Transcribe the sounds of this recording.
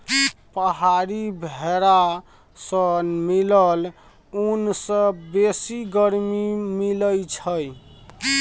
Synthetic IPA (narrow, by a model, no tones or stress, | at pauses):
pəɦaɾibʱeɾa | sənmiləl | unsə̃besiɡəɾmimiləjt͡ʃʰəj